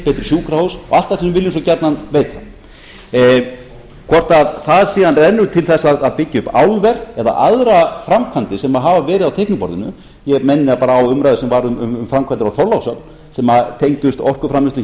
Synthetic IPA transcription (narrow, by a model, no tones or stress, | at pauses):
pɛːt̪ɾɪ̥sjuːkɾahowsɔ̰alt̪asɛmvɪljɪns̬ɔcɛɾt̪nanveːjt̪a | kʰɔr̥t̪aðθaðsiːðanrɛnːʏt̪ʰɪlθɛsːaðaðpɪcːɪʏpawlvɛɾ̥ɛða̰ʔaðɾafɾamkʰvant̪ɪsɛmaɦaːvavɛːɾɪðawt̪ʰejhknʏpɔ̰ɾðɪnʏ̰ | jɛɣmɛnːɪapaːɾaːwʏmɾajðʏsɛmvaɾʏmʏmʏmfɾamkʰvant̪ɪɾawθɔɾlawsœpn̥ | sɛmat̪ʰejŋcʏst̪ɔr̥kʏfɾamlɪst̪ʏ